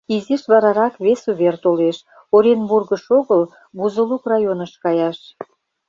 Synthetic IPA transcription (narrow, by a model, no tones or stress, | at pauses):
iziʃβɑɾɑɾɑkβesuβert̪oleʃ | oɾʲenburɣəʃoɣəl | buzəlukrɑjonəʃkɑjɑʃ